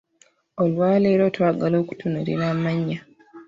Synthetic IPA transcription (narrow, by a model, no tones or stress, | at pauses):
olwaːleːɾotwaːɡalo̞ːku̥tunuɾḭɾaːmaɲːa